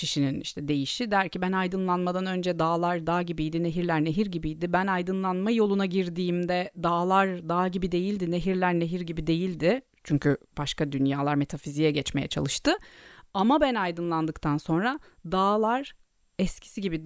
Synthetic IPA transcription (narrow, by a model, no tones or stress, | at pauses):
cʰiʃininḭʃt̪ʰɛd̪e̞jiʃid̪æɾcibænajd̪ɯnlˠanmad̪anø̞nd͡ʒɛd̪aːlˠaɾd̪aːɟibijd̪ine̞ɦiɾlʲæɾneɦiɾɟibijd̪ɪbænajd̪ɯnlˠanmajo̞lˠunaɟiɾd̪iːmd̪ɛd̪aːlˠaɾd̪aːɟibid̪e̞jilʲd̪ine̞ɦiɾlʲæɾne̞ɦiɾɟibid̪e̞jilʲd̪ɪ | t͡ʃʰyɲcʰyb̥aʃkad̪ynjaːlˠaɾme̞t̪ʰafizijɛɟɛt͡ʃme̞jɛ̰t͡ʃʰa̰lˠɯʃt̪ɯamabænajd̪ɯnlˠand̪ɯkt̪ʰanso̞nɾa | d̪aːlˠaɾ | ɛscʰi̥siɟibi